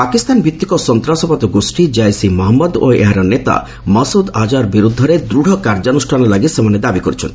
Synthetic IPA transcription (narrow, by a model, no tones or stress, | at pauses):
pakist̪anbʱit̪ːikɔsɔnt̪ɾasɔpat̪ɔɡosʈid͡ʒajsimɔɦɔmːɔd̪o̰ḛɦaɾɔnet̪a̰ | mɔsud̪ad͡ʒaɾbiɾud̪ʱːɔɾed̪ɾuɽ̤ʱɔkaɾd͡ʒanusʈʰanɔlaɡisemaned̪abikoɾit͡ʃʰɔnt̪i̥